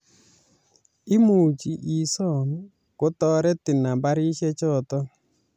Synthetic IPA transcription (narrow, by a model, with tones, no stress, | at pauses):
ɪ˦mu˨t͡ʃi˨ʔi˨sɔ˦˨n | ko˨˦tɔ˦ɾɛ˦tɪ˨na˨mba˦ɾi˦ʃɛ˦t͡ʃɔ˦˨tɔ˦